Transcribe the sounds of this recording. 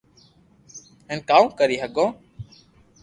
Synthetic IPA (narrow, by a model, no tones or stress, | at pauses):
ẽːnkaːũːkəɾiːɦəɡõː